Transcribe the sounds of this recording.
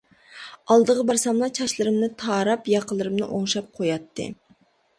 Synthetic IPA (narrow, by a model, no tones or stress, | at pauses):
ɑlˠd̪əʁəbɑɾsɑmlˠɑt͡ʃʰɑʃlˠɨɾɨmnɨt̪ʰɑːɾɑpjɑqʰəlˠɨɾɨmnɨ̰ʔoŋʃɑp̚qʰojɑt̪ʰːɨ̰